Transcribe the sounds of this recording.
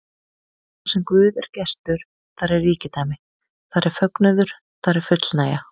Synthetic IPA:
θasɛmkvʏːðɛɾ̥cɛst̪ʏɾ̥ | θaɾɛrːiːcɪt̪aːmɪ | θaɾɛɾ̥fœknɛðʏɾ̥ | θaɾɛɾ̥fʏt̪lnaːja

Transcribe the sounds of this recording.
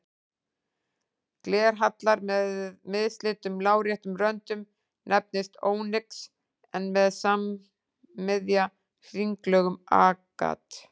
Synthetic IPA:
klɛːɾ̥ɦat̪laɾmɪðst̪lɪt̪ʏmlaːwɾjɛht̪ʏmrœnt̪ʏm | nʔɛp̚nɪst̪oːwnɪks | ɛnmɛðsamː | ɪðja | r̥iŋklœːɣʏma̰ːka̰t̪

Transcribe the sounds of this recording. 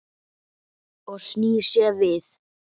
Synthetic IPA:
ɔɣsniːsjɛːvɪθ

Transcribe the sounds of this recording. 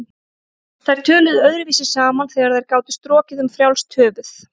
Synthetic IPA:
θajɾ̥t̪ʰœːlʏðœɥðɾʏviːsɪsaːmanθɛːɣaɾθajɾkaːwt̪ʏ̥st̪ɾɔːcɪðʏmfɾjawlst̪ʰœːvʏθ

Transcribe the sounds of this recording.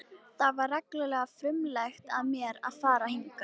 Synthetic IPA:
θavaɾːaklʏlɛːɣafɾɪmlɛxt̪aðmjɛɾa̰ðfaːɾahiŋkḁ

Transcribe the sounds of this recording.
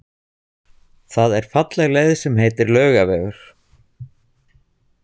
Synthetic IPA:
θaðɛɾ̥fat̪lɛɣleːjðsɛmheːt̪ɪɾlœːɥɣavɛːɣʏɾ̥

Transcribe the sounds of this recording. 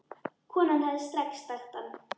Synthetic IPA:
kʰvɔːnanhɛðɪst̪ɾɛkst̪axt̪an

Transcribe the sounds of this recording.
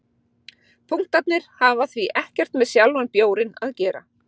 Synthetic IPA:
pʰuŋ̥t̪at̪nɪɾ̥haːvaθviʔɛhcɛr̥t̪mɛðsjalvanpjoːwɾɪna̰ðcɛːɾa̰

